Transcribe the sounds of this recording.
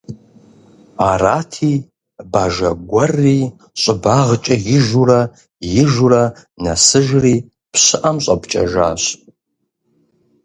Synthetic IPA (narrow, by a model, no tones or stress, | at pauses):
aːraːtʰiː | baːʒɐɡʷɐriː | ɕʼɪbaːʁət͡ʃʼɐjɪʒurɐ | jɪʒurɐ | nɐsɨʒriː | pɕɨʔɐmɕʼɐpt͡ʃʼɐ̰ʒa̰ːɕ